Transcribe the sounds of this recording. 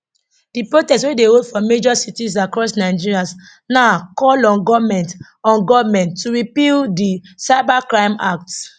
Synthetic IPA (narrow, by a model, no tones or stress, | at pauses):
d̥ipɹotɛstwedeotfɔmed͡ʒɔsitizakɹɔsnaɪd͡ʒiɹias | naʊkɔlɔ̃nɡɔvmɛ̃nt | ɔ̃nɡɔvmɛ̃ntːuɹipildisaɪbakɹãɪ̃mak̚t